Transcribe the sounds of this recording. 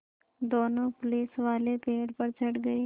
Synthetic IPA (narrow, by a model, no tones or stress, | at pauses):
d̪oːnõpʊliːsʋaːlepeːɽpɐɾt͡ʃʰɐɽɡɐi